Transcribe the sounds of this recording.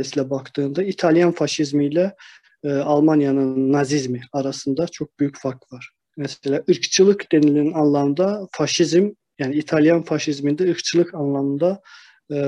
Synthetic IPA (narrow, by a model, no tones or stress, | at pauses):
siːlʲɛbɑkt̪ɯːnd̪ait̪ʰalˠjanfaʃizmijlʲɛ | alˠmanjanɯnːazizmiɑɾasɯnd̪at͡ʃʰo̞k̚b̥yjycfaɾ̚k̪vaɾ̥ | mɛselʲaːʔɯɾkt͡ʃʰɯlˠɯkd̪̥enilʲinnɑnlˠɑmɯnd̪afaʃizm | jaːniit̪ʰalˠjanfaʃizmind̪ɛɯɾkt͡ʃʰɯlˠɯkɑnlˠamɯnd̪a